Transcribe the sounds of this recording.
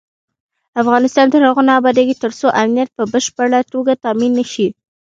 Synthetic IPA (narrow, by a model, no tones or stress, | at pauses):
afɣɑnɪst̪ɑnd̪əhaɣonɑbɑd̪aɡit̪əɾsoʔamnijat̪̚pəbəʃpəɽat̪oɡat̪ɑminːəʃi